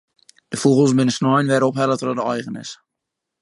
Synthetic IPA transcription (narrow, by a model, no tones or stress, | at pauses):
d̥əfuɣəlˠsmɪnəsnɔjnʋɛɾəɔpɦɛlətrɔdəɔjɣənɪ̰s